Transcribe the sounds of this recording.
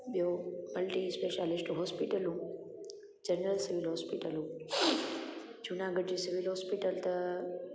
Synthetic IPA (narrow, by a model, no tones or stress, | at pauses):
ɓijomɐlʈĩspeːʃaːlɪsʈuɦɔːspiʈəlɦũː | d͡ʒɐnɾəlsɪʋɪlɦoːspiʈəlɦũː | d͡ʒunaːɡəɖd͡ʑiːsɪʋɪlɦoːspiʈəlt̪ɐ